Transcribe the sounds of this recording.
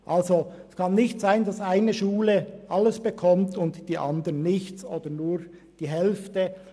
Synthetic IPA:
ʔɑlzoɛskʰɑnːɪçtz̥aɪndɑsaɪnəʃuːləʔɑlːəsb̥əkʰɔmtʰʊntd̥iːʔɑ̰ndəʁənɪçt͡soːd̥ənuːɾ | d̥iːɦɛlftə

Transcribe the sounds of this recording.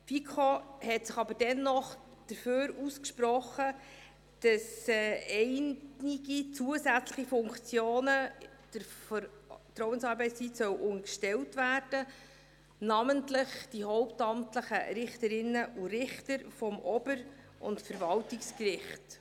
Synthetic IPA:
fikʰohɛtsɪχɑbəɾd̥ɛnːɔχd̥əɾføːɾuskʃprɔχə | d̥ɑsɛɛɪnɪɡit͡suəsæt͡sləχifʊŋkt͡sjoːnə | d̥əɾfɾtɾɔwənsɑːɾbɛɪtst͡siːtsœwʔʊŋkʃtɛltvæːrd̥ə | nɑməntləχd̥iɦɔʊptɑmtləχə̰ɾɪχtəɾɪnːəʔuɾɪχtəɾfɔmʔɔbəɾ | ʔʊ̰ntfəɾvɑltɪkskɾɪχt

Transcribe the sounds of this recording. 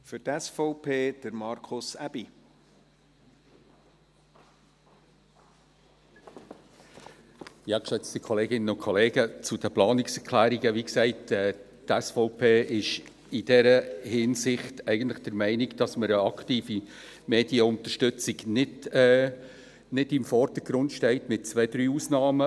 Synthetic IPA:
fʏɾtɛsfɔʊpʰeːd̥əɾmɑɾkʰʊsæb̥i | jɑːkʃɛt͡st̪ikʰɔleːɡɪnənʊnkʰɔleːɡət͡sʊd̥əplɑːnɪksɛɾkʰlæːɾiɡəʋiksɛɪtɛːtɛsfɔʊpʰeːʔɪʃ | ɪd̥ɛɾəhɪnsɪχtʰɛɪɡ̥ən̩tlɪχd̥əɾmɛɪniɡd̥ɑsməɾəɑktiːfi | meːd̥iəʊnt̪əʃtʏt͡sɪɡnɪd | nɪdɪmfɔrd̥əɡ̥ɾʊndʃtɛɪtmɪt̚t͡sʋɛɪdɾyːusnɑːmə

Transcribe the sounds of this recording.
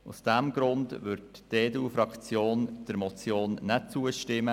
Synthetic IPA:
ṵsd̥æmɡ̥ɾʊndʋʏɾtdeːduːfɾɑkt͡sjoːnd̥əɾmɔt͡sjoːnnɛt͡suəʃtɪmə

